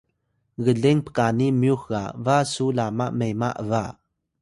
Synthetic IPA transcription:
ɣəɮɛŋpə̥kanimjuxɣa̰vasulama̰ʔmejmaʔəva

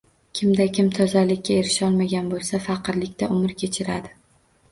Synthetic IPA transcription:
kʲʰɪmd̪akʲɪmt̪ʰɒzalɪkʲːae̞ɾɪʃɒlˠmaɡʲanbolˠsafɑqɨɾlɪkʲt̪ʰaʔʊmɪɾkʲʰe̞t͡ʃʰɪɾad̪ɪ

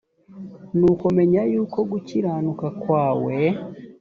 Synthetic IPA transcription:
nukome̞ɲajuːko̞ɡuciɾaːnukakwaːwe

